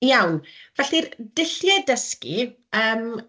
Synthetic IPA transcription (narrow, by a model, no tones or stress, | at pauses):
jawnvɛɬird̥ɪɬjɛdəskḭ | əːm